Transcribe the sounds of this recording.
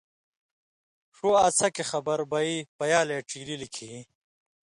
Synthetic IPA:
ʂuːɐt͡sʰɐkexɐbɐɾbɐipɐjaːleːʈ͡ʂiːlilikʰiː

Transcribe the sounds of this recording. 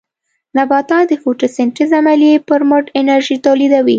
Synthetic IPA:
nabɑt̪ɑd̪əfuʈisɪɳʈizamalijepəɾmʊʈɪnaɾʒit̪olid̪awi

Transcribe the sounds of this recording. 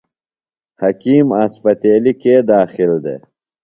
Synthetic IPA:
hɐkiːmɐspɐt̪eːlikeːd̪aːxɪld̪ḛ

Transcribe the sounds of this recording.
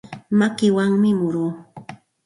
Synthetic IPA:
makɪwaŋmɪmʊɾuː

